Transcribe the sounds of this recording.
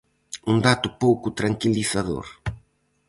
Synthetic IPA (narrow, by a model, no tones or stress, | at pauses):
und̪at̪ʊpowkʊt̪ɾaŋkiliθaðo̰ɾ